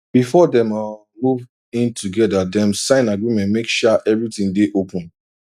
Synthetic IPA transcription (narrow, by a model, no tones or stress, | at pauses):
b̥ifɔdɛ̃ma | muv | ĩntʰuɡɛdadɛ̃msãɪ̃naɡɹimɛ̃ntmekʃaʔɛvɹitĩŋdeʔopʰũn